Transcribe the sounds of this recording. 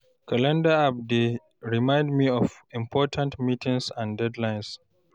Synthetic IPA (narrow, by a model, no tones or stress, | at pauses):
kalɛ̃ndaab̚de | ɹimãj̃ndmiɔfĩmpʰɔtʰãntmiːtʰɪ̃ŋsãndɛdlãjns